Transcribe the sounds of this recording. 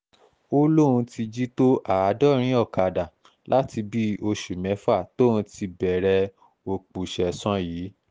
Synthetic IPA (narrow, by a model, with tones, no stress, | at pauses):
o˦lo˦˨ɾũ˧ti˧d͡ʒi˦to˦ʔa˨a˨˦dɔ˦˨ɾ̃ĩ˦ɔ˦˨ka˨da˨ | lʔa˦ti˧bi˦o˧ʃu˨mɛ̃˨˦fa˦˨to˦ũ˧ti˧bɛ˨ɾɛ˧ | o˨k͡pu˨ʃɛ˨sɔ̃˧˦jiː˨˦